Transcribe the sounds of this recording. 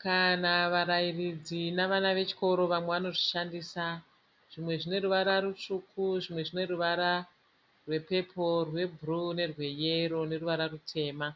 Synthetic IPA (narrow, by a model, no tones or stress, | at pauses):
kanaʋaɾairid͡zinaʋanaʋe̞t͡ʃi̥ko̞ɾo̞ʋamwe̞ʋano̞ʐiʃandisa | ʐ̥imwe̞ʐine̞ɾuʋaɾaɾut͡ʂuːkʰuʐimwe̞ʐine̞ruʋaɾa | rwe̞pe̞pʰo̞rwe̞bʱurune̞rwe̞jeɾo̞ne̞ruʋaɾarutʰe̞ːma